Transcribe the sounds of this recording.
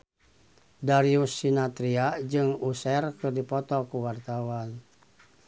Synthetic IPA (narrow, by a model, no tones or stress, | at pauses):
daɾiusːinat̪ɾiad͡ʒɨŋusɛrkɨrdipɔt̪ɔkuwart̪awan